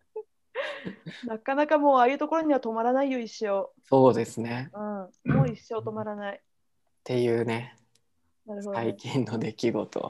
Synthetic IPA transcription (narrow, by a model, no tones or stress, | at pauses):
nakanakamo̞ːaːjɯ̟ːt̪oko̞ɾo̞ɲ̟iβat̪o̞maɾanaijo̞iɕo̞ːso̞ːd̪e̞sɨne̞ɯ̟̃ɴmoːiɕːo̞ːt̪o̞maɾanai | t̪e̞jɯ̟ːne̞ | naɾɯ̟ɦod̪aikʲĩnːo̞d̪e̞kʲiɡo̞̰t̪o̰